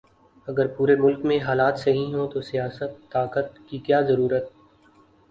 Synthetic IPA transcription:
ɐɡəɾpuːɾemʊlkmẽɦaːlaːt̪sɐɦĩɦõt̪osijaːsət̪ːaːkət̪kikjaːzɐɾuːɾət̪̚

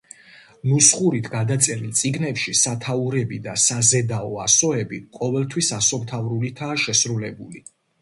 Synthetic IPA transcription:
nusχuɾit̪ʰɡad̪at̪sʼɛɾilˠt̪sʼiɡnɛpʃisat̪ʰauɾɛbid̪asazɛd̪aɔasɔɛbiqʼɔvɛlˠt̪ʰwisasɔmt̪ʰavɾulit̪ʰaːʃɛsɾulɛbuli

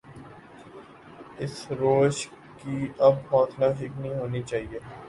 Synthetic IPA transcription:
ɪsɾoːʃ | kiːɐbɦɔːt̪ʰnaːɦɪknĩɦoːnit͡ʃaːɦieː

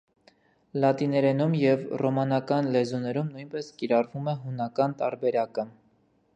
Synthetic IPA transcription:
lɑt̪inɛɾɛnumjɛvrɔmɑnɑkɑnlɛzunɛɾumnujnpɛskiɾɑrvumɛɦunɑkɑnt̪ɑɾbɛɾɑkə

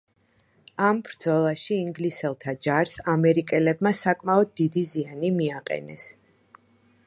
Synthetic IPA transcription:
ambɾd̪zɔlˠaʃiːŋɡlisɛlˠt̪ʰad͡ʒaɾsamɛɾikʼɛlɛbmasakʼmaɔd̪̚ːid̪izianimiaqʼɛ̰nɛ̰s

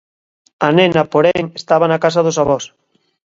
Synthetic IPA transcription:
anẽnɐpoɾeŋest̪aβanakas̬aðos̬aβɔs

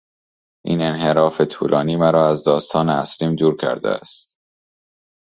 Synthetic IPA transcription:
ʔiːne̞nɦe̞ɾɒːfet̪ʰṵːlʔɒːniːmæɾɒːæzd̪ɒːst̪ʰɒːneæ̰sliːmd̪uːɾcʰæ̰ɾd̪ḛæ̰st̪

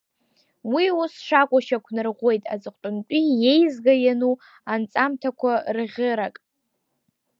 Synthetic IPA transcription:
wiusʂakʷʼaʃakʷʰnɨrʁʷe̞jtʼa̰d͡zʼɨqʷtʼʊnt͡pʼije̞jzɡajanu | ant͡sʼamtʰakʷʰarʁʲɪɾakʼ

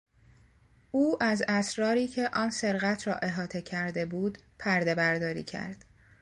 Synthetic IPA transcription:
ʔuːʔæzæsɾɒːɾiːcʰe̞ʔɒːnse̞ɾɣæt̪ʰɾɒ̰ːʔe̞ɦɒːt̪ʰe̞cʰæɾd̪e̞buːd̪pʰæɾd̪e̞bæɾd̪ɒːɾḭːcʰæ̰ɾd̪̥

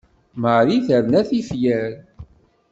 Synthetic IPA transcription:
məɾiθæɾnæθifjæɾ

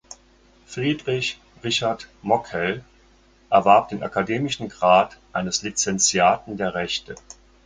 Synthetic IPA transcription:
fʁ̥iːdʁɪç | ʁɪçaɐtmɔkʰɛl | ʔɛɐvaɐp̚d̥eːnʔa̰kadeːmɪʃn̩ɡʁaːtʔaɪnəslit͡sɛnt͡sjaːtn̩deːɐʁɛçtə

